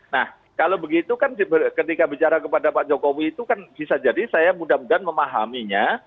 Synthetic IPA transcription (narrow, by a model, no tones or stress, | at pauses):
nah | kalowbəɡit̪ukansibəkət̪ikabit͡ʃaɾakəpadapaʔd͡ʒokowiːt̪ukanb̥isad͡ʒadisajamudamudanməmaɦa̰miɲa